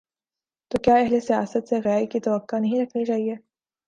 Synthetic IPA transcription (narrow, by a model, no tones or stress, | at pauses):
t̪oːkjaːɛɦlesijaːsət̪seɣɛaːikit̪ɐʋəkːanɐɦĩɾɐkʰnit͡ʃaːɦiɛː